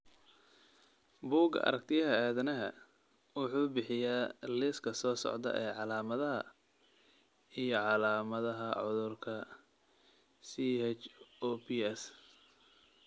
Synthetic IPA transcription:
buːɡɐ̰ʔɐ̰ɾɐk̚t̪ʰɪjɐɦɐaːðɐnɐɦɐ̰ | wʊħuːbɪħɪjaːlɪskʰɐsɔːsɔ̰ʕd̪ɐ̰ʔɛːʕɑlaːmɐðɐɦɐ̰ | ijɞʕɑlaːmɐðɐɦɐʕʊðʊrkʰɐ | sihɛt͡ʃɔpiɛs

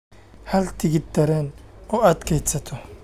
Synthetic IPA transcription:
hɐlt̪ɪɡɪd̪ɐɾɛnʊɐd̪kɛjt̪sɐt̪ʰɔ

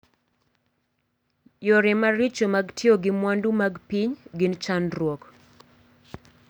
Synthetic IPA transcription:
joɾɪmaɾit͡ʃomaɡtʰjoɡɪmwandumaɡpiɲɡɪnt͡ʃanɾwɔk

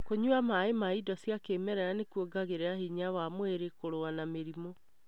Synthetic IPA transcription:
koɲuamaemaidɔsjakemɛɾɛɾanekuoɡaɣeɾeahiɲawamweɾekoɾoanameɾimɔ

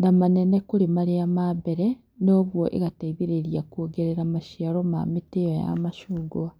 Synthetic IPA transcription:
ndamanenekuɾimaɾijamabeɾe | no̞ːβwoʔḛɣataiβiɾeɾjakwoːɡeɾeɾamaʃiaɾoma̰mitioja̰maʃuːɡuwa

